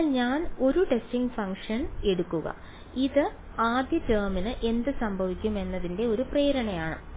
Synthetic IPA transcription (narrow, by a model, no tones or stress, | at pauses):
lɲaːno̞ɾuʈe̞stiŋɡfɐŋkʂɐne̞ɽukːuɣɐ̰ | iðɨ | aːd̪jɐd͡ʑɐːminɨʔe̞nd̪ɨsɐmbʱɐʋikʲːume̞nːɐðinde̞o̞ɾupreːɾɐɳɐjaːɳɨ̰